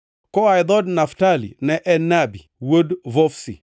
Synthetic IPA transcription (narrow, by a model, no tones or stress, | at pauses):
kɔajd̪ɔdnaftalḭnɛʔɛnabiwodvɔfsḭ